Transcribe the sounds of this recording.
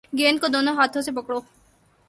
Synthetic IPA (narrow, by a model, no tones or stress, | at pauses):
ɡeːnkod̪oːnoɦaːt̪ʰõsepɐkɽoː